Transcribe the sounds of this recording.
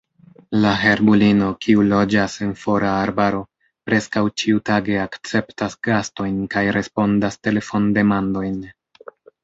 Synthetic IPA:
laɦe̞ɾbulino̞kʰiulo̞d͡ʒase̞nfo̞ɾaːɾbaɾo̞ | pɾe̞skawt͡ʃiutaɡe̞akt͡se̞ptasɡasto̞jnkajɾʔe̞spo̞ndaste̞le̞fo̞nde̞mando̞jn

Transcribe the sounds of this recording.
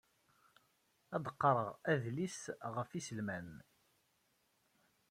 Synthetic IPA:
æd̪əqːɾˤəʁæðlisʁəfisəlmæn

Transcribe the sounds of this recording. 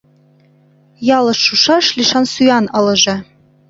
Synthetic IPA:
jɑlˠɤ̆ʃːuʃɑʃlʲiʃɑnsujɑnɤ̆lˠɤ̆ʒɤ̆

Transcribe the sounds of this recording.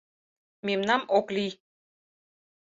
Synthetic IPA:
memnɑmoklij

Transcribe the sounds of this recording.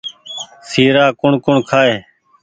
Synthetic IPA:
siːɾaːkʊɳkʊɳkʰaːeː

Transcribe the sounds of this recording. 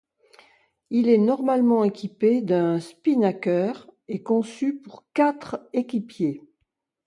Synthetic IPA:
ilɛnɔʁmalmɑ̃ekʲiped̪ɛ̃spinakœːʁekɔ̃sypuʁkat̪χekʲipje

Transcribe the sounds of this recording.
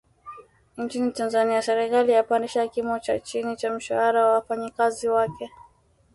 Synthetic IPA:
nt͡ʃinitanzaniasɛɾɛkalijapandiʃakimɔt͡ʃat͡ʃinit͡ʃam̩ʃahaɾawawafaɲikaziwakɛ

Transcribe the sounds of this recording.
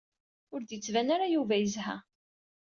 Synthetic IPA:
ʊɾd̪jət͡sːvænaɾajuvæjəzhæ̰

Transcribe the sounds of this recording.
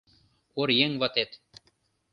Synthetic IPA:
oɾjeŋvɑt̪et̪

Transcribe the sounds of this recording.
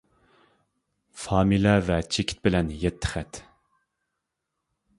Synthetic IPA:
fɑːmilɛvɛt͡ʃʰekʲʰi̥t̪̚bɪlɛnjɛt̪ʰːə̥χɛt̪

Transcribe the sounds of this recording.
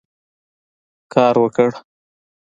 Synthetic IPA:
kɑːɾwəkəɽ

